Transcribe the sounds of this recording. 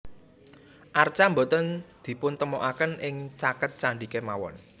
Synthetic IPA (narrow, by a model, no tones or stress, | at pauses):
ʔart͡ʃambot̪ənd̪̥i̤pʊnt̪əmɔʔakənʔɪŋt͡ʃakət̪̚t͡ʃaɳɖikemawɔ̰n